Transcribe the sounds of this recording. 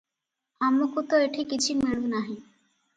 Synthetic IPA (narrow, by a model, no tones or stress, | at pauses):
amokut̪oeʈʰikit͡ʃʰimiɽ̃ũnaɦĩ